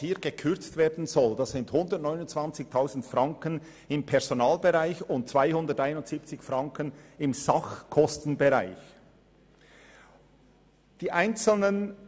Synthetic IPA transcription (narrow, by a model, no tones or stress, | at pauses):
hiːɡ̥əkʰʏɾt͡stv̥eːɐdn̩zɔld̥asz̥ɪnthʊndətnɔʏnʊnt͡sv̥ɑnt͡sɪçtʰaʊzn̩tfrɑŋkən | ɪmpʰɛʁz̥onaːlbeʁaɪçʊnt̚t͡sv̥aɪhʊndətaɪnʊntz̥iːpt͡sɪçfrɑŋkənɪmz̥ɑχkʰɔstn̩beʁaɪç | d̥iːʔaɪnt͡sl̩nən